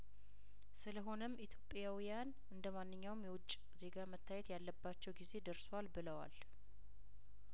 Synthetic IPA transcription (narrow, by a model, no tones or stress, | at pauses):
sɨləɦo̞nəmʔit̪ʰjo̞pʼjawijan | ɨnd̪əmanːɨɲːawmjɛwɔt͡ʃʼː | ze̞ɡamət̪ʰːajɛt̪jalːəbːat͡ʃːɛwɡize̞d̪əɾswalbɨləwa̰l